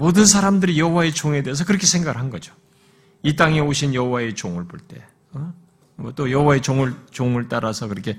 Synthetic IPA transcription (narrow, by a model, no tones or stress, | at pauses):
modɯns̬ʰaɾamdɯɾijʌɦowae̞t͡ɕoŋe̞de̞ːs̬ʰʌkɯɾʌkʰe̞sʰeŋɡaɡɯɭɦanɡʌd͡ʑo̥ | it̬͈aŋe̞oɕʰinjʌɦowae̞t͡ɕoŋɯɭboɭt͈e̞ | ʌ | mʌt͈ojʌɦowae̞t͡ɕoŋɯɭt͡ɕoŋɯɭt͈aɾasʰʌkɯɾʌkʰe̞